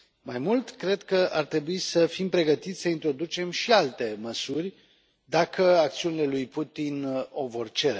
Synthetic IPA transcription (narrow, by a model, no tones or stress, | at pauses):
majmult̪kɾe̞d̪kəʔart̪ɾe̞buisəfimpɾe̞ɡət̪it̪sʲsəint̪ɾo̞d̪ut͡ʃe̞mʃialt̪e̞məsurʲ | d̪akʰəak̚t̪siunile̞lujput̪ino̞vo̞rt͡ʃe̞ɾe